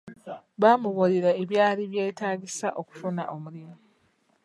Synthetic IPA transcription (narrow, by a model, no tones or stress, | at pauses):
βamuβoliɾaeβjaːliβje̞ːtaːɟisaʔo̞ku̥funaʔo̞muɾiɾo